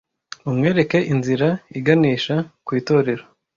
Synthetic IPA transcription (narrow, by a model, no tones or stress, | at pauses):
umŋe̞ːɾe̞ke̞ʔinziɾaiɡaniːʃakwiːto̞ːɾe̞ɾo